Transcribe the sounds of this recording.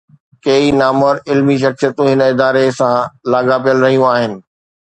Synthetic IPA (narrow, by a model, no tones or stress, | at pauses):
kɐinaːməɾɪlmiʃ̬ɐksijət̪ũɦɪnəɪd̪aːɾesãlaːɡapijəlɾɐɦijũaːɦɪnɪ̆